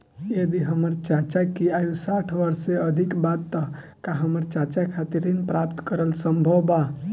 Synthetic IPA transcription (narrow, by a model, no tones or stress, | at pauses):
jəd̪iɦəməɾt͡ʃat͡ʃakiajũsaʈʰʋəɾseəd̪ʱikbat̪ːə | kaɦəməɾt͡ʃat͡ʃakʰat̪iɾinpɾapt̪kəɾəlsəmbʱəwba